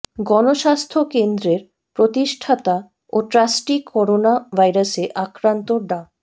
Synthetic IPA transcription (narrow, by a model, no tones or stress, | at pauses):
ɡɔnoʃast̪ʰokend̪ɾeɾ | pɾot̪iʃʈʰat̪a | oʈɾasʈikʰɔɾonabʱajɾaseʔakɾant̪oɖa